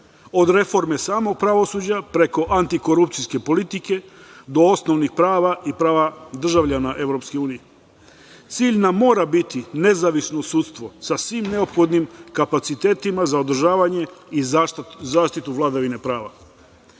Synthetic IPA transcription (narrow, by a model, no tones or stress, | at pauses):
o̞d̪ɾe̞fo̞ɾme̞saːmo̞ɡ̚pɾaʋo̞suːd͡ʑapɾe̞ko̞ʔant̪iko̞ɾupt̪sijske̞po̞lit̪ike̞d̪o̞osno̞ʋnixpɾaːʋaʔipɾaːʋad̪r̩ʒaʋʎanaʔe̞ʋɾo̞pske̞uːnije | t̪siːʎnamːo̞ːɾabit̪ine̞zaʋisnosuːt̪st̪ʋo̞sasʋiːmne̞o̞pxo̞d̪nimkapat̪sit̪eːt̪imazaod̪r̩ʒaːʋaɲe̞izaːʃt̪it̪uʋlˠad̪aʋine̞pɾaːʋa̰